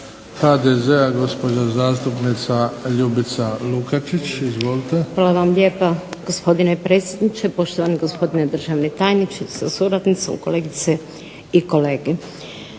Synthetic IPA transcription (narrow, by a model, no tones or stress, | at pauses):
had̪ezeaɡo̞spo̞d͡ʒazaːst̪upnit̪saʎubit̪salukat͡ʃit͡ɕizʋoːlit̪exʋaːlaʋamlʲjeːpaɡ̥o̞spo̞d̪inepɾet̪sʲjed̪nit͡ʃepo̞ʃt̪oʋaniɡospo̞d̪ined̪r̩ʒaʋnet̪aːjnit͡ʃi̥sasuɾad̪nit̪so̰mko̞leːɡit̪se | iko̞leːɡe